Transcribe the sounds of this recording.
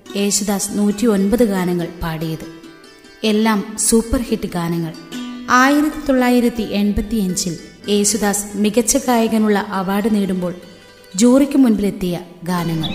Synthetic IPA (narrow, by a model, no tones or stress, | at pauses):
e̞ːɕud̪aːsnuːtːio̞nbɐðɨɡaːnɐŋːɐɭpaːɽijɐðɨ | e̞lːaːmsuːpːɐrhiʈːɨɡaːnɐŋːɐɭaːjiɾɐt̪ːit̪o̞ɭːaːjiɾɐt̪ːiʔe̞nbɐt̪ːiɐɲd͡ʑile̞ːɕud̪aːsmiɣɐt͡ɕːɐɡaːjɐɣɐnuɭːɐʔɐʋaːɽɨniːɽumbo̞ːɭ | d͡ʑuːrikʲːɨmunbile̞t̪ːijɐɡaːnɐŋːɐɭ